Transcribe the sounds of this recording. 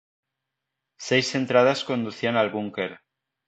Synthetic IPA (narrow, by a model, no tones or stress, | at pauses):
sejse̞nt̪ɾað̞asko̞nd̪uθianalβuŋkeɾ